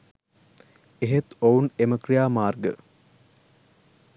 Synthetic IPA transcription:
eɦet̪owneməkrijaːmaːrɡə̰

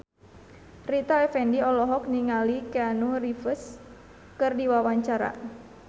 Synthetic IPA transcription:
rit̪aɛfɛndiɔlɔɦɔk̚niŋalikeanurifəs | kɨrdiwawaɲt͡ʃaɾa̰

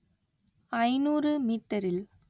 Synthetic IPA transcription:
ɐɪnuːrɯmiːt̪ːɐɾɪl

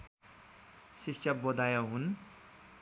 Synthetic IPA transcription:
sisjʌbod̪ajaɦun

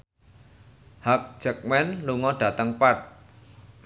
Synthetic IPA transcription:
hak̚d̥ʒ̥ə̤k̚mɛnluŋɔɖ̥ä̤t̪əŋpat̪̚

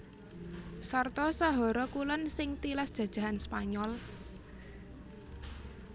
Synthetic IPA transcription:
sart̪ɔsaɦɔɾɔkulɔnsɪŋt̪ilasd̥ʒ̥ä̤d̥ʒ̥ä̤ɦanspaɲɔl

